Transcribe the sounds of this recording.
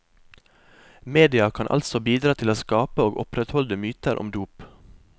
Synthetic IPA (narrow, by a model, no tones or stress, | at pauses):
meːd̪ɪɑkʰɑnʔɑ̰lsɔbiːd̪ɾɑːt̪ʰɪloːskɑːpəoːɡɔpɾɛt̪hɔld̪əmyːt̪əɾʔɔ̰md̪uːp